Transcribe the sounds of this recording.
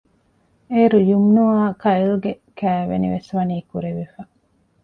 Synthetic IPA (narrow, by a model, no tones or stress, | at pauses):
eːɾujumnuaːkɐilɡekæːʋḛnḭʋesʋɐniːkuɾeʋefɐ